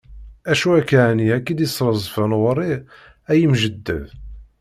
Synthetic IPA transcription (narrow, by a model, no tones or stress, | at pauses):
æʃuækːaʕniækːid̪isˤːɾˤəzˤfænʁɾˤːi | æjimʒəd̪ːə̰ð